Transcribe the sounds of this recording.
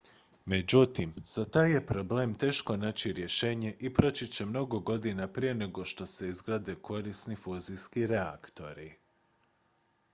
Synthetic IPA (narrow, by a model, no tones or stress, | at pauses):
me̞d͡ʑut̪imz̥at̪aːje̞pɾo̞ble̞ːmt̪e̞ːʃko̞naːt͡ɕiɾje̞ʃe̞ːɲe̞ʔipɾo̞t͡ɕit͡ɕe̞mno̞ɡo̞ɡo̞d̪inapɾije̞ne̞ɡo̞ʃt̪o̞se̞izɡɾaːd̪e̞kʰo̞ɾisnifuːziskiɾea̰kt̪o̞̰ɾi